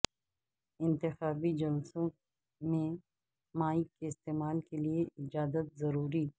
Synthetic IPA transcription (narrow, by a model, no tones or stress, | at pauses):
ɪ̃nt̪ɪxaːbid͡ʒɐlsõ | mẽ | maːikeɪst̪eːmaːlkelieʔɪd͡ʒaːzət̪̚zɐɾuːɾi